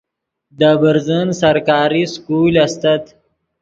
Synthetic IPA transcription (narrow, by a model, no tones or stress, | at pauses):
d̪abəɾzənsɐɾkɑːɾiskulɐst̪at̪